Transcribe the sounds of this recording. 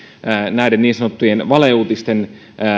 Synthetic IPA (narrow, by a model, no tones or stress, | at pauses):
ənæˑidenniːnsɑnot̪ːujenʋɑleuːt̪ist̪en